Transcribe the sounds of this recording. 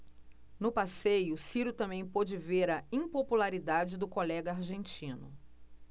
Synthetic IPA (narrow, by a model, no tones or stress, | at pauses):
nʊpasejʊsiɾʊt̪ɐ̃mẽj̃pod͡ʒɪveɾɐĩpopulaɾid̪ad͡ʒɪd̪ʊkolɛɡɐaɾʒẽnt͡ʃĩnʊ